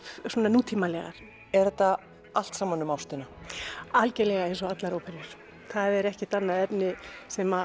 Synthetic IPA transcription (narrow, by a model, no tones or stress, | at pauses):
sɔːnanuːt̪ʰiːmalɛ̰ɣa̰ɾ̥ | ɛɾθɛt̪ːa | al̥t̪saːmːanːʏmawst̪ɪnaalcɛlɛɣaɛs̬ɔat̪laɾowpʰɛɾjʏɾ̥ | θaðɛɾɛhcɪt̪anːaðɛpnɪsɛma